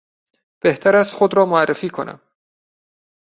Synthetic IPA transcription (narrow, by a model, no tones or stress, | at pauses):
b̥e̞ht̪ʰæɾæst̪xod̪ɾɒːmoærːefiːkʰonæ̰m